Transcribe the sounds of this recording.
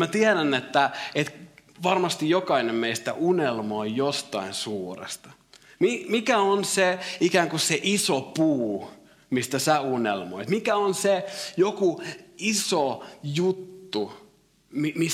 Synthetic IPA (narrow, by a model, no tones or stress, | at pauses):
mæt̪iæɾænːet̪ːæet̪ʋɑrmɑst̪ijjokɑinemmeist̪æ̰ʔunelmoːjjost̪ɑinsuːrḛst̪ɑ̥ | mimikæonseikæːŋkusseʔisopuː | mist̪æsæunḛlmo̰it̪mikæonsejokuisojut̪ːu | mimi